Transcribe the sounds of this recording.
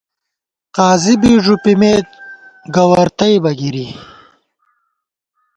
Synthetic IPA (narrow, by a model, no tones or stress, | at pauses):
qaːzibiʐupimeːt̪̚ɡɐwɐɾt̪ɐjbɐɡiɾi